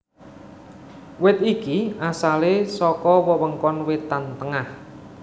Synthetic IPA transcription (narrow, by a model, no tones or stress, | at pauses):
wɪt̪ikiasalesɔkɔwəwəŋkɔnwet̪ant̪əŋah